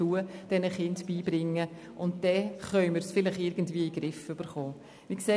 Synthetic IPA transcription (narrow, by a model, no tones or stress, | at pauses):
uəd̥ɛnəχɪndb̥iːbɾɪŋːə | ʔʊnt̚d̥ɛχœʏməɾsfɪlɪχɪɾɡ̥əntviːiɡɾɪfʏb̥əɾχoː | ʋiːkseː